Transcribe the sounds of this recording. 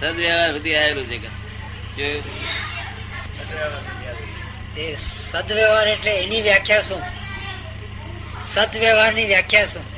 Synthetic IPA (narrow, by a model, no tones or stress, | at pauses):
səd̪ʋɛʋaːɾʋəd̪ʱiaːeluːd͡ʒeːkən | d͡ʒo | esəd̪ʋɛʋaːɾeʈleeniːʋjaːkʰjaːsũː | səd̪ʋjɛʋaːɾniːʋjaːkʰjaːsũː